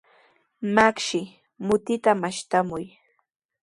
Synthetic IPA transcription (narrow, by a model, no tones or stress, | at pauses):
makʃɪ | mʊt̪ɪt̪amaʃt̪amʊj